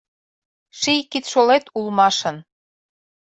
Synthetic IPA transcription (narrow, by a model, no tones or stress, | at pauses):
ʃijkit̪ʃolet̪ulmɑʃɤ̆n